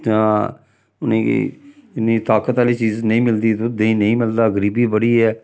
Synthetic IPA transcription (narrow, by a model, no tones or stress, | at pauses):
tãː | ʊnḛ̃ːɪnːĩːt̪aːkət̪aːliːt͡ʃiːznəĩːmɪld̪iːt̪ʊd̪eĩːnəĩːmɪld̪aːɡəɾiːbiːbəɽiːɛː